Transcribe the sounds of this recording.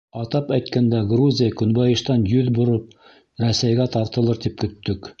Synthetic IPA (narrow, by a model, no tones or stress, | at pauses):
ɑt̪ɑpæjt̪kænd̪æɡruzʲijəkɵ̆nbɑjɤ̆ʃt̪ɑnjɵðbŏɾɤp̚ | ɾæsæjɡæt̪ɑɾt̪ɤ̆lˠɤɾt̪ip̚kɵ̆t̪ːɵk